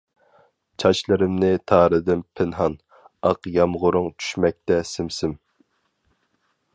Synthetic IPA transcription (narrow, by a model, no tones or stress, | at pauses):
t͡ʃʰɑʃlˠɨɾɪmnɪt̪ʰɑːɾɨd̪ɪnpʰɪnɦɑn | ɑqjɑmʁʊɾʊŋt͡ʃʰy̥ʃmɛk̚ʲt̪ɛsɪmsɪm